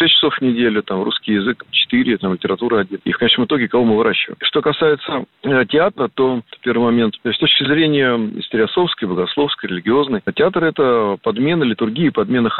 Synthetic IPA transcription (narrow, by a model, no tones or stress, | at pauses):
esʲt͡ɕːɪ̥so̞fvnʲɪdʲelʲʊt̪amrṵskʲɪjɪzɨkt͡ɕɪ̥t̪ɨɾʲɪt̪amlʲɪtʲɪɾɐt̪uɾəɐdʲinḭfkɐnet͡ɕnəmɨt̪o̞ɡʲɪkɐvo̞mɨvɨɾʔaɕːɪvə̰jɪmʂt̪o̞kɐsajɪt̪sətʲɪat̪ɾət̪o̞pʲe̞rvɨɪjmɐmʲe̞nt̪sʲt̪o̞t͡ɕkʲɪzɾʲenʲɪjəɪ̰sʲt̪ʲɪɾʲɪɐsˠo̞fskəjbəɡɐslˠo̞fskəjɾʲɪlʲɪɡʲɪo̞znəjtʲɪat̪rɛt̪əpɐd̪mʲe̞nəlʲɪt̪ʊrɡʲiːəpɐd̪mʲe̞nəx